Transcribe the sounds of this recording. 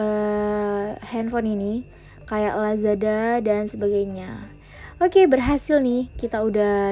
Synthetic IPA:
ə | hɛnfɔnini | kajaʔlazadadansəbaɡajɲa | okebərɦasɪlnɪhkit̪auda

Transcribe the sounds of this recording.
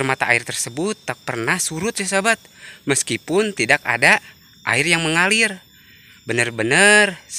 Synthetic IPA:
rmat̪aʔairt̪ərsəbʊt̪ːak̚pərnahsuɾʊt̪̚d͡ʒasabat̪̚məskipʊnt̪idaka̰da | ʔa̰irjaŋməŋalɪr | bənərbənər

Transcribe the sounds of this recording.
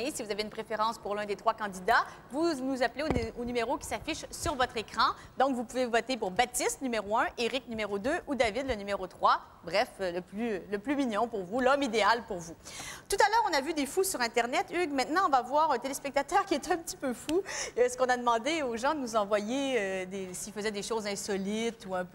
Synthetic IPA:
esivuzaveynpχefeʁɑ̃spuʁlɛ̃d̪et̪χwakɑ̃d̪id̪a | vunuzapleonymeʁokʲi̥safiʃsyʁvɔt̪χekχɑ̃d̪ɔ̃kvupuvevɔt̪epuʁbat̪ist̪nymeʁoɛ̃ʔeʁik̚nymeʁod̪øʔud̪avid̪lənymeʁot̪χwa | bʁɛfləplyləplymiɲjɔ̃puʁvulɔmid̪ealpuʁvut̪ut̪alœːʁɔ̃navyd̪efusyʁɛ̃t̪ɛʁnɛt̪yɡmɛ̃t̪nɑ̃ɔ̃vavwaːʁɛ̃t̪elespɛk̚t̪at̪œʁkʲiɛt̪ɛ̃pət̪i̥pøfusə̥kɔ̃nad̪əmɑ̃d̪eoʒɑ̃d̪ənuzɑ̃vwajeød̪esilfəzɛd̪eʃozɛ̃sɔlit̪uɛ̃pø

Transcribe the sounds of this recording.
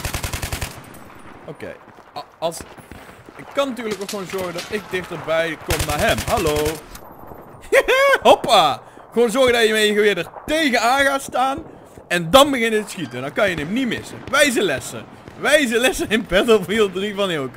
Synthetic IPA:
owkḛj | ɑlˠs | ɪkːɑnːatyːɹrləkokxʋownzɔɹɣəndɑtɪk̚dɪxtərbɛjkɔmnaːɹɦɛmɦɑloː | ɦopa | χəwoːnzɔɹɣədɑjəməɣəʋɪːdərtejɣənaːnɣaːtstaːn | ɛndɑnbəɣɪnjətə̥sχitəndɑnkɑnjənɛmnimɪsəʋɛjzəlɛsə̰ | ʋɛjzəlɛsəɪnbɛtɔpilˠdrivɑnɪlˠk

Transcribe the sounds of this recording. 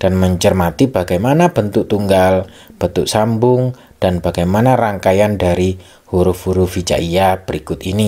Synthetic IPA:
d̥anməɲt͡ʃərmat̪ibaɡajmanab̥ənt̪ʊk̚t̪uŋɡal | b̥ənt̪ʊʔsambʊŋ | d̥anbaɡajmanaraŋkajandaɾi | huɾʊfhuɾʊvit͡ʃa̰ʔiab̥əɾikʊt̪ini

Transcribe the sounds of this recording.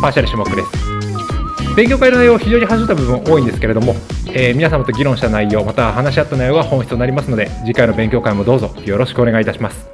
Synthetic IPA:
paːɕaɾɯ̟ɕɨːmo̞kɯ̟d̪e̞sɨ̥ | bẽ̞ŋkʲo̞kainoaijoːaçiʑoːɲ̟iɦaɕit̪abɯ̟bɯ̟̃ɰ̃ʔo̞ːĩnd̪e̞sɨ̥ke̞ɾe̞d̪o̞mo̞eːmʲinas̬amat̪o̞ɡʲiɾõɕi̥t̪anaijːo̞ːmat̪ahanaɕiat̪ːanajo̞ːɡahõç̥i̥t͡sɨt̪onaɾʲimasɨno̞d̪ed͡ʑikaino̞bẽ̞ŋkʲo̞ːkaimo̞d̪o̞ːzo̞jo̞ɾo̞ɕi̥kɯoneɡait̪aɕimasɨ̥

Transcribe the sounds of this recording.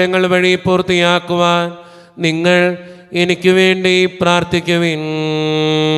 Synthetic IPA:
ɐŋːɐɭʋɐɻipːurt̪ːijaːkːuʋaːn | niŋːɐɭ | enikʲːɨʋe̞ːɳɖipraːrt̪ʰikʲːuʋin

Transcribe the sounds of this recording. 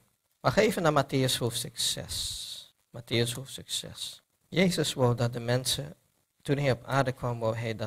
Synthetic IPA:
maχeːvənamateːəshofstəksɛ̰s | matʰeəshofstəksɛ̰s | jeːzəsʋowdɑt̚dəmɛnsə | tunɦɛjɔpʰaːɹdəkʰwɑmʋowɦɛjd

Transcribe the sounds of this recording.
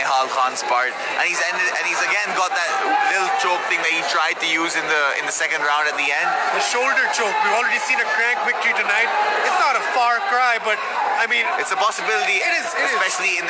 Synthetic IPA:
ɦalxɑ̃nz̥pɑ̰ɹt | ʔɨ̃nizɛ̃ndɪdɨ̃nizəɡɛ̃nɡɔt̪̚ðətlɪɾl̩ˠt͡ʃoʊk̚θɪ̃ŋðɨt̚hitʰɹ̥aɪd̚tɨjuːzɨ̃nðəɪ̰̃nðəsɛkɨ̃ndɹãʊ̃ndɨt̪̚ðiɛ̃nd | ðəʃoʊldə˞t͡ʃoʊk̚ɔljɨ̥sĩnɨkʰɹ̥æ̃ŋkvɪk̚təɹitɨnaɪt̚ɪtsnəɾəfɑɹkʰɹaɪbʌt̚aɪmĩnɪtsəpɑsəbɪlɪɾiɪɾɪzspɛʃl̩ˠiɪ̃n

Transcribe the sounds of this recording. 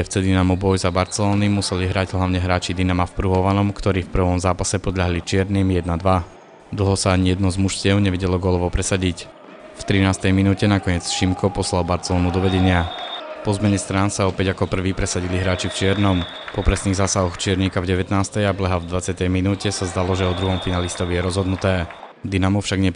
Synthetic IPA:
ɛft͡sɛd̪inamubɔjzabaɾt͡sɛlɔːnimusɛliɦɾaɟɦlaʊɲɛɦɾaːt͡ʃid̪inamafpɾuɦɔʋanɔmkt̪ɔɾiːfpr̩ʋɔmzaːpasɛpɔd̪ʎaɦlit͡ʃɪɛɾniːmjɛd̪nad̪ʋa | d̪l̩ˠɦɔsaːɲijɛd̪nɔzmuʃtɪɛʊɲɛʋɛɟɛlɔɡɔlɔʋɔpɾɛsaɟic | ft̪ɾinaːst̪ɛjminuːcɛnakɔɲɪɛt͡sʃimkʰɔpɔslalbaɾt͡sɛlɔːnud̪ɔʋɛɟɛɲɪapɔzmɛɲɛst̪ɾaːnsaɔpɛɟakɔpr̩ʋiːpɾɛsaɟiliɦɾaːt͡ʃift͡ʃɪɛɾnɔm | pɔpɾɛsniːɣzaːsaɦɔxt͡ʃɪɛɾɲikavɟɛʋɛt̪naːst̪ɛjablɛɦavd̪ʋat͡sɪjat̪ɛjminuːcɛsazd̪alɔʒɛɔd̪ɾuɦɔmfinalist̪ɔʋijɛɾɔzɦɔd̪nut̪ɛː | d̪inamɔfʃaɡɲɛ

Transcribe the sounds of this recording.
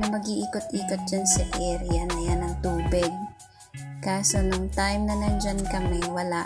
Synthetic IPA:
nɐmɐɡiʔiːkot̪̚ʔiːkot̪̚d͡ʒansɐʔɛːɾɪjɐnɐjanɐŋt̪uːbɪɡ̚ | kaːsonoŋt̪ajmnɐnɐnd͡ʒankɐmɛwɐla

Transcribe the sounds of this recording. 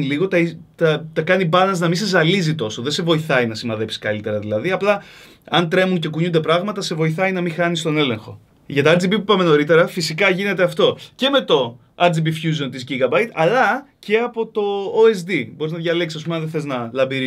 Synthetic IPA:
niliɣo̞t̪ɐt̪ɐt̪ɐkɐnibɐnɐznɐminse̞zɐlizit̪o̞so̞ðe̞se̞vo̞iθɐinɐsimɐðe̞psi̥kɐ̰lit̪e̞ɾɐðilɐðiɐplɐ | ɐnt̪ɾe̞munce̞kuɲund̪epɾɐɣmɐt̪ɐse̞vo̞iθɐinɐmixɐnist̪o̞ne̞le̞ŋxo̞ | ʝɐt̪ɐɐd͡zibipupɐme̞no̞ɾit̪e̞ɾɐfisikɐʝine̞t̪e̞ɐft̪o̞ce̞me̞t̪o̞ | ɐd͡zibifçuz̬o̞nt̪izʝiɣɐbɐjt̪ɐlɐce̞ɐpo̞t̪o̞oezd̪ibo̞ɾiznɐðʝɐle̞ksisɐs̬pumeɐðeθeznɐlɐmbiɾi

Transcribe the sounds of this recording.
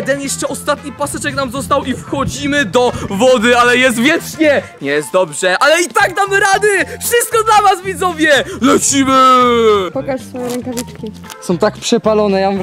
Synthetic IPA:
d̪ɛnjɛʂt͡ʂɛɔst̪at̪ɲipasɛt͡ʂɛknamzɔs̬t̪awifxɔd͡ʑimɘd̪ɔvɔd̪ɘalɛjɛst̪vʲjɛt͡ʂɲɛɲɛjɛst̪̚d̪ɔbʐɛʔalɛit̪akd̪amɾad̪ɘfʂɘst̪̚kɔd̪lavasvʲid̪zɔvʲjɛlɛt͡ɕimɘpɔkaʂsfɔjɛɾɛŋkavʲit͡ʂkʲi | sɔ̃w̃t̪akpʂɛpalɔnɛja

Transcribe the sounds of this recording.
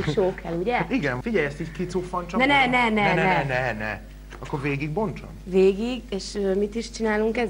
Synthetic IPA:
ikʃoːkʰɛluɟɛiɡɛnfiɟɛjɛst̪ickit̪sufːɒnt͡ʃɒnɛnɛnɛnɛnɛnɛnɛ̰ | ɒkːoɾveːɡiɡ̚bo̞nt͡ʃɒ̰mveːɡiɡeːʃøːmit̪iʃt͡ʃinaːluŋkɛz

